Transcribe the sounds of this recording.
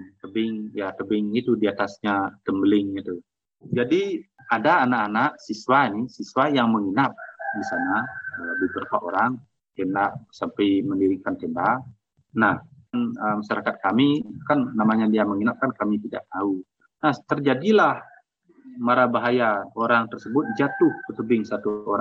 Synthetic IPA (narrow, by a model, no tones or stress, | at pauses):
t̪əbɪŋjat̪əbɪŋit̪udiat̪asɲat̪əmbəlɪŋit̪u | d͡ʒadi | adaːnaʔanaʔsiswanisiswajaŋməŋinap̚disanaəbibəɾakaʔo̰ɾaŋ | t̪enaʔsampajməndiɾikant̪enbaʔ | nahanəmaʃaɾakat̪̚kamikanːamaɲadiaməŋinap̚kankamit̪ida̰ʔt̪au | naht̪ərd͡ʒadilah | maɾabaɦajaoɾaŋt̪ərsəbʊt̪̚d͡ʒat̪ʊhkət̪əbɪŋsat̪uoɾa